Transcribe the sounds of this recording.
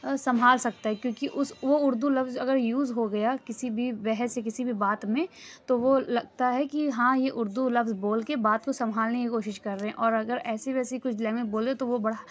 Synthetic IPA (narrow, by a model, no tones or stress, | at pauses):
sɐmʱaːlsɐk̚t̪aɦɛkjõːkiʔʊsʋoʊɾd̪ulɐfzɐɡəɾjuːzɦoɡɐjakɪsibʱibɛɦɛsekɪsibʱibaːt̪mẽt̪oʋolɐɡ̚t̪aɦɛkiɦãːjeʔʊɾd̪ulɐfzboːlkebaːt̪kosɐ̃mʱaːlnekikoːʃɪʃkɐɾːɐɦɛ̃ʔɔːɾɐɡəɾɛːseʋɛːsekʊt͡ʃʰlɛːmɪ̃k̚boːlet̪oʋobɐɽ̤a